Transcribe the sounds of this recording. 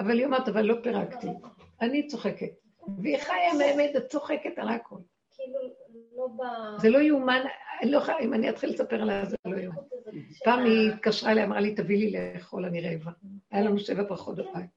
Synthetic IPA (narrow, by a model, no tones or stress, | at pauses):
avaliomaʁt̪avalːo̞peʁakt̪ianit͡so̞χe̞ket | veiχajameemet̪zat͡so̞χeketalaakʰo̞l | zelo̞juumanloχaimaniat̪χilːesapeʁalavzlojunpaːmiːt̪kaʃʁaelajamʁalit̪avilileχo̞laniʁevaajalanuʃe̞vabʁaχo̞t̚babaj